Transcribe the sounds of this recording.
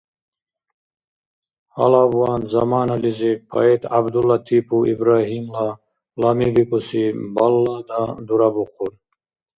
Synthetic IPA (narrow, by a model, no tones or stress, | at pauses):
hɐ̰laːbuwaːnzɐmaːnɐlizipʰɐ̰et̪ʰa̰bd̪ulːat̪ʰipuḭbɾaːɦimla | lamibikusibɐlːad̪ad̪uɾabuqʰul